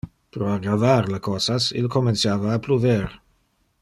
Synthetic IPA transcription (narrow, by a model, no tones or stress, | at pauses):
pɾoakavaɾlakʰosasḭlkomensjaːvaːpluveɾ